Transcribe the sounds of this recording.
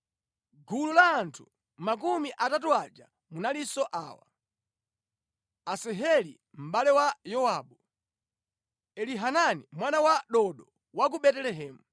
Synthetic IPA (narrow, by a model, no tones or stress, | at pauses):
ɡululaːntʰu | mak̬umiʔatatuad͡ʒa̰ | munalisɔʔa̰ːwa̰ | asɛɦɛlḭ | m̩ɓalɛwajɔwaɓu | ɛliɦananimwanawaɗɔɗɔ | wak̬uɓɛtɛlɛɦɛːmu